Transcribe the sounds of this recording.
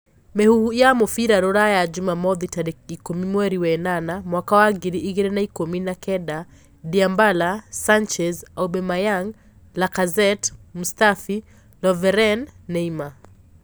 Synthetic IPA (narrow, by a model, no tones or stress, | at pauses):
mɛhuhujamɔfiɾaɾɔɾajad͡ʒumamɔðitaɾɛikumimwɛɾiwɛnanamwakawaɡiɾiʔiɣɛɾɛnaikɔminakɛɗa | diambalasant͡ʃɛzaubɛmajaŋ | lakazɛtmustafi | lɔvɛɾɛnːɛima